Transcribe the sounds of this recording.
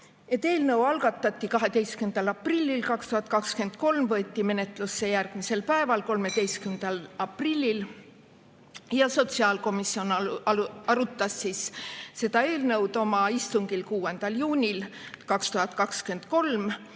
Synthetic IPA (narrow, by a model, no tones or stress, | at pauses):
e̞t̪ːˑe̞ːlnɤwɑlɡ̥ɑt̪ːˑɑt̪ʲːˑikɑɦe̞t̪e̞jstkymnd̪̥ɑlɑprilʲːilkɑkst̪uhɑt̪̚ˑkɑkske̞nd̪̥̚ko̞lmvɤ̞e̞t̪ʲːˑime̞ne̞t̪lusːe̞jærɡ̥mise̞lpæe̞vɑlko̞lme̞t̪e̞jst̪kymnd̪̥ɑlɑprilʲːil | jɑso̞t̪siɑlko̞misːio̞n | ɑɾut̪ːˑɑsːisse̞d̪̥ɑe̞ːlnɤwd̪̥o̞mɑist̪uŋɡ̥ilkuːend̪̥ɑljuːnʲilkɑkst̪uhɑt̪ˑkɑkskye̞nd̪̥ko̞lm